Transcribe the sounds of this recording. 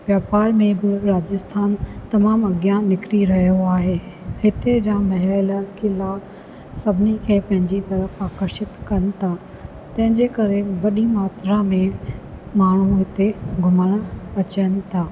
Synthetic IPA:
ʋjaːpaːɾmẽbɪɾaːd͡ʑəst̪ʰaːnt̪ɐmaːmɐɡjãnɪkɾiɾɐɦijoaːɦeː | hɪt̪ed͡ʑãːmɐɦɛlkɪla | sɐbʱɪnikʰeːpɐ̃ɦɪ̃ɲd͡ʑit̪ɐɾəfaːkəɾʃɪt̪kɐnɪ̆t̪ʰaː | t̪ɐ̃ɦɪ̃ɲd͡ʑekɐɾeʋɐɗimaːt̪ɾamẽmaːɳ̤uɦɪt̪eɡʱʊməɽ̃ɐt͡ɕənɪ̆t̪ʰaː

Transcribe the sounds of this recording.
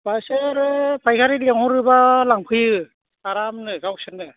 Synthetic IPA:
pasɯɾɯpʰajkʰaɾitliŋhɔɾɯbalaŋpʰi | aɾamnɯkawsʰɯnːɯ

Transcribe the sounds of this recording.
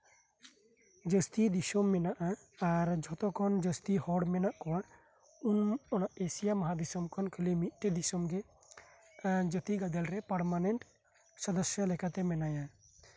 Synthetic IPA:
d͡ʒəst̪id̪isɔmːɛnaʔaː | ɾd͡ʒʱɔt̪ɔkɔnd͡ʒəst̪ihɔɽmɛnaʔkɔwa | unɔnaʔesijamaɦad̪isɔmkʰɔnkʰəlimit̪̚ˀʈɛd̪isɔmɡɛ | d͡ʒət̪iɡad̪ɛlɾɛpəɾmanɛɳʈ | sɔd̪əsjalɛkat̪ɛmɛnaja

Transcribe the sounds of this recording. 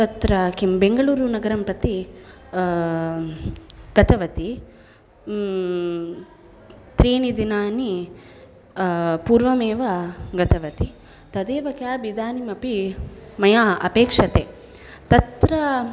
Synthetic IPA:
t̪ɐt̪ɾɐkimbeŋɡɐɭuːɾunɐɡɐɾɐmpɾɐt̪i | ɡ̥ɐt̪ɐʋɐt̪i | t̪ɾiːnid̪inaːni | puːɾʋɐmeːʋɐɡɐt̪ʰɐʋɐt̪i | t̪ɐd̪eːʋɐkjaːbid̪aːnimɐpimɐjaːʔɐ̰peːkʂɐt̪eː | t̪ɐt̪ɾɐ

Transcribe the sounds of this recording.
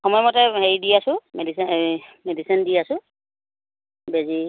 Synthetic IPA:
xɔmɔjmɔtɛɦeɹidiasʊ̃medismedisindiasʊ̃ | bezi

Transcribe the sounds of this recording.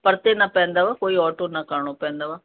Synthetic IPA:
pəɾt̪eːnãːpɛ̃ːnd̪aːʋaːkoːiːɔːʈoːnãːkaːɳ̃õːpɛ̃ːnd̪aːʋaː

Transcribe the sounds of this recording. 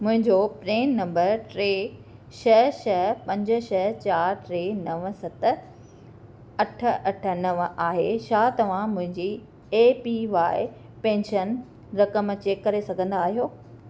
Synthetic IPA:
mʊ̃ɦɪ̃ɲd͡ʑopɾeːnːɐ̃mbəɾʈɾeː | ʃɐɦʃɐɦpɐ̃ɲd͡ʑʊ̆ʃɐɦt͡ɕaːɾʈɾeːnɐʋsɐt̪ | ɐʈ̆ʰɐʈʰə̆nɐʋaːɦḛʃaːt̪ɐʋ̤ãmʊ̃ɦɪ̃ɲd͡ʑiː | eːpiʋaːɪ | pẽːnʃən | ɾɐkəmt͡ɕeːkːɐɾesɐɡʱə̃nd̪aːɦijoː

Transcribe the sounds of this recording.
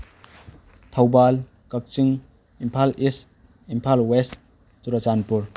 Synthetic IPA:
tʰawbal | kɐk̚t͡ʃiŋ | impʰalis | impʰalwes | tuɾɐt͡ʃanpuɾ

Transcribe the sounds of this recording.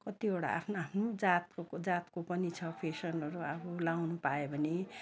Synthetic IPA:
kʌt̪ioɽa̰ʔa̰pʰnoapʰnod͡zat̪od͡zat̪kopʌnit͡sʰʌpʰesʌnʌɾuabolawnupaebʱʌne

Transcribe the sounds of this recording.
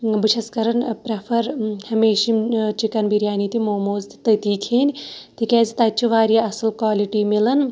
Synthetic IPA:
biʃʰɐskɐɾɐnpɾɐpʰɐɾhɐmeːʃimt͡ʃikɐnbiɾjaːnit̪imoːmoːzt̪i̥t̪ɐt̪iːkʰeːnʲt̪ʰikʲɛ̃ːzit̪ɐt͡ʃʰuʋaːɾijaɐsɨlkʋaːliʈiːmilɐn

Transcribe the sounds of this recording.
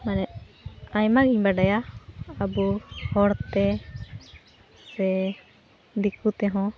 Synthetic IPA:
manɛʔajmaɡiɲbaɖajaː | buhɔɾt̪ɛ | sɛ | d̪ikut̪ɛɦɔ̃

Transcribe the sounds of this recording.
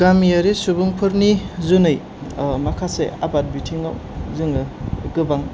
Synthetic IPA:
ɡ̥amiaɾisubuŋpʰɯɾnizunɯj | makʰasḛabat̚bitʰiŋawzɯŋɯɡɯbaŋ

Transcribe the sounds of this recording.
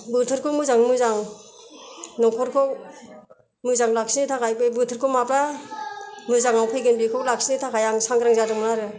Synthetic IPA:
bɯtʰɯɾkʰɔmɯzaŋmɯzaŋ | nɔŋkʰɔɾkʰɔ | mɯzaŋlaksinitʰakʰajpɯjbɯtʰɯɾkʰɔmapɾa | mɯzaŋawpʰɯjɡɯnbikʰɔklak̚sinitʰakʰajaŋsaŋɡɾaŋzadɯŋmɯnaɾɯ

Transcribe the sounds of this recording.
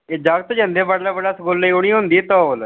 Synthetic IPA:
ed͡ʒaːɡt̪ːd͡ʒə̃nd̪eːbaɖlaːbəɽaːsəkoːlːəiːʊɽ̃ĩːɦʊ̃nd̪iːt̪õːoːl

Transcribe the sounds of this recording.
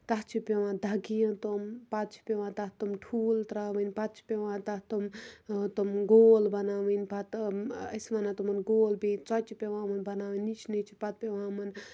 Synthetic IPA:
t̪ɐɦt͡ʃʰipʲeʋãːd̪ʱɐɡijɐ̃t̪ompɐt̪t͡ʃʰi̥pʲeʋãːt̪ɐɦt̪umʈʰuːlt̪ɾaːʋɐnʲpɐt̪̚t͡ʃʰi̥pʲeʋãːt̪ɐt̪umt̪omɡoːlbɐnaːʋɐnʲpɐt̪ɐ̰sʋɐnãt̪umɐnɡoːlbit͡sɐt͡ʃipʲeʋãːmɐnbɐnaːʋɨnit͡ʃʰnit͡ʃʰipɐt̪̚pʲeʋãːmɐn

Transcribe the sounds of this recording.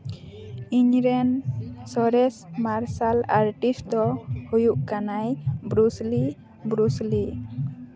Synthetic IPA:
iɲɾɛnsɔɾɛsmaɾsalaɾʈisd̪ɔhujuʔkanajbɾusli | bɾusli

